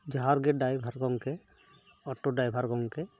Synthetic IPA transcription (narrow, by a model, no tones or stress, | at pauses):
d͡ʒaɦaɾɡɛɖajbʱaɾɡɔŋkɛ | ɔʈoɖajbʱaɾɡɔŋkɛ